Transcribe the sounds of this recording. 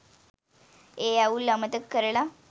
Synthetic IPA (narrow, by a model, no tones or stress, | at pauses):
ejauːləmət̪əkːəɾɭa